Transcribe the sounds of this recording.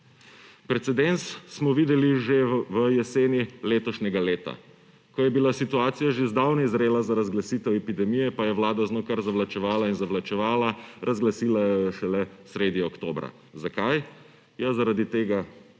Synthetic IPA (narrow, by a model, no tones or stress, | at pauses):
pɾɛt̪sɛd̪ent̪ssmɔʋiːd̪ɛliʒeʋəjɛseːnileːt̪ɔʃnʲɛɡaleːt̪a̰ | kɔjɛbilasit̪uaːt̪sijaʒezd̪awnɛizɾeːlazaɾazɡlasiːt̪ɛwɛpid̪ɛmijɛpajɛwlaːd̪aznoːkaɾzaʋlat͡ʃɛʋaːlainzaʋlat͡ʃɛʋaːlaɾʔazɡlasiːlajɔɔʃɛlɛsɾeːd̪jiɔkt̪oːbɾa̰ | zakaj | jazaɾad̪it̪eːɡa